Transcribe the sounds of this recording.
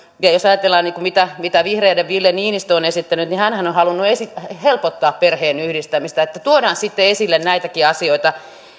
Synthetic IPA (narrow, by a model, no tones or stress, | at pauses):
jɑjosɑjɑt̪elːɑːnniːkumit̪æmit̪æʋihreːdeʋʋilːeniːnist̪oonesit̪ːænyt̪nihænhænohɑlunːuesihelpot̪ːɑːpperheːnyhdist̪æmist̪æet̪ːæt̪uodɑːnsit̪ːeesilːennæit̪ækiɑsioit̪ɑ